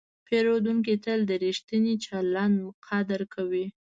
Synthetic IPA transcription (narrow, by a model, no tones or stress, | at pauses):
peɾod̪uŋk̬it̪əld̪əɾiʃt̪ənit͡ʃɑlːɑnqʰɑd̪əɾkʰawi